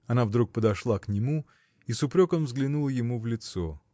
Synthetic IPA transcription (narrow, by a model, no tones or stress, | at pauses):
ɐnavd̪ɾuk̚pəd̪ɐʂlˠaknʲɪmu | isʊpɾʲo̞kəmvzɡlʲɪnulˠəjɪmuvlʲɪt̪so